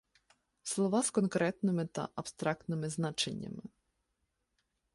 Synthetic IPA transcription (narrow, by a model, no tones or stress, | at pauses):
slˠɔʋaskɔnkɾɛt̪nɪmɪt̪ɐ̰ʔɐpst̪ɾɑk̚t̪nɪmɪznat͡ʃenʲːɐ̰mɪ